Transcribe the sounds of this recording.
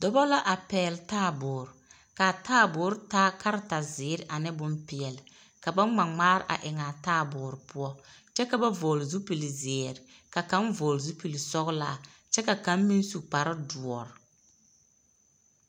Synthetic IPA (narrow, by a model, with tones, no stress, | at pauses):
dɔ˨bɔ˦la˦ʔa˨pɛː˨ltaː˦˨bʊː˨ɾ | ka˨taː˦˨bʊː˨˦ɾɪ˦taː˦ka˦ɾɪ˦ta˨zɪː˨˦ɾɪ˦ʔa˨nɪ˦bʊ˦mpɪ˨ɛ˨lɪ˨ | ka˨ba˦ŋ͡ma˨ŋ͡maː˦ɾɪ˨ʔa̰˨ʔɪ˨ŋa˨taː˦˨bʊː˨ɾpʊ˦ɔ˦t͡ʃɛ˦ka˨ba˦voː˨lzu˦pi˨li˨zɪː˨ɾɪ˨ka˨ka˦nvoː˨lzu˦pi˨li˨sɔ˦ɣla̰ː˦˨ | t͡ʃɛ˦ka˨ka˨˦mmi˦n˦su˨k͡pa˨ɾɪ˦du˨ɔ˨ɾ